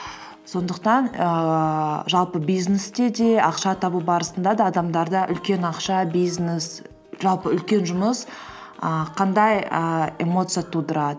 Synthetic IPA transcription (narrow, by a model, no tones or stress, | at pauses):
so̞nd̪əq̚t̪ɑnə | ʒɑlˠpəbijznest̪ed̪e̞ɑqʃɑt̪ʰɑbubɑɾəsənd̪ɑd̪ɑːd̪ɑmd̪ɑɾd̪ɑʔʏ̰lkʲe̞nɑqʃɑbijznes | ʒɑlˠpəʏlkʲe̞nʒʊməs | əqʰɑnd̪ɑjəemo̞t̪sɨjat̪ʰud̪əɾɑd̪ə